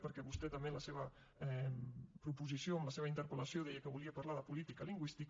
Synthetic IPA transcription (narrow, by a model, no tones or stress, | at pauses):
pəɾkɛβust̪ɛt̪ameləseβə | pɾupuzisjoamləseβint̪əɾpəlasjoðɛjəkəβuliəpaɾlaðəpulit̪ikaliŋɡwist̪ik